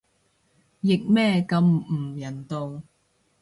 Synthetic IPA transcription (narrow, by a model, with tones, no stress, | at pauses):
jɪ˨k̚mɛː˥kɐ˧m̩˨˩jɐ˨˩nt̪o˧w